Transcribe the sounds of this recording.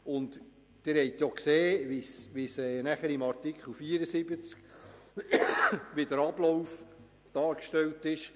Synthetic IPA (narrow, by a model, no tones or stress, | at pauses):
ʊnd | d̥ɪɾhɛjt̪jɔkseːʋisʋisɛːnæχəɾimɑɾtikχəl̩ˠfiəɾəsɪbət͡sk | ʋidəɾɑb̥lɔwf | d̥ɑːɾkʃtɛltɪʃ